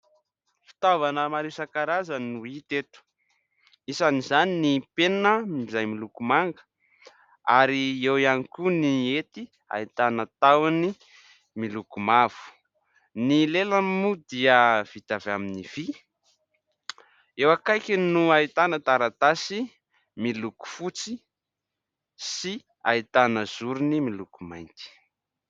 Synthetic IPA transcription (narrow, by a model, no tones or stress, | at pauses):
fi̥t̪avanəmaɾisakaɾazənuit̪et̪u̥ | isanizaninipennəmiizajmilukumaŋɡə̥ | aɾiewianikuniet̪i | a̰it̪anət̪awani | milukumav̥u̥ | nileləmud̪iəv̥it̪avaminiv̥i | ewakajkʲinuait̪anət̪aɾat̪asi | miluku̥fut͡si | si | a̰it̪anəz̥uɾunimilukumajnt̪i̥